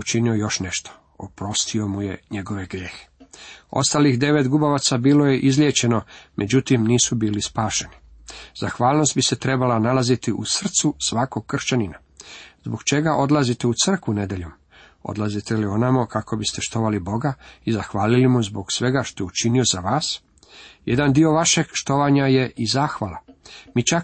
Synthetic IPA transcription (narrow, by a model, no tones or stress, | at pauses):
ut͡ʃinio̞jo̞ʃne̞ʃt̪o̥ | opɾo̞st̪ʰio̞muje̞ɲe̞ɡo̞ʋeɡɾje̞ːxe̥o̞̰st̪alixd̪e̞ʋet̪ɡubaʋat̪sabiːlo̞je̞ʔizlʲjet͡ɕe̞no̞mʔe̞d͡ʑut̪imniːsubiːlispaːʃe̞ni | z̥axʋaːlˠno̞st̪̚bise̞t̪ɾe̞balanalazit̪iʔusr̩t̪susʋako̞ɡ̚kːr̩ʃt͡ʃanina | zbo̞ɡt͡ʃe̞ɡaʔo̞d̪lazit̪e̞ut̪sər̩kʋune̞d̪eʎom | o̰d̪lazit̪e̞lio̞namokakʰo̞bist̪eʃt̪o̞ʋalibo̞ɡaizaxʋaːlilimuzbo̞ɡsʋe̞ɡaʃt̪o̞jeut͡ʃinio̞zaʋaːs | jed̪and̪io̞ʋaʃeɡʃt̪o̞ʋaɲaje̞ʔizaːxʋalˠa̰mit͡ʃa